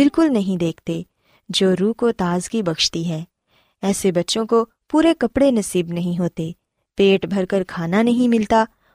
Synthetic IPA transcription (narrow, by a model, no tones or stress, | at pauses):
bɪlkʊlnɐɦĩd̪eːkʰt̪e | d͡ʒoːɾuːkot̪aːzkibɐkʃt̪iɦɛː | ɛːsebɐtːʃõko | puːɾekɐpɽenɐsiːbnɐɦĩɦoːt̪e | peːʈbʱɐɾkəɾkʰaːnanɐɦĩmɪlt̪aː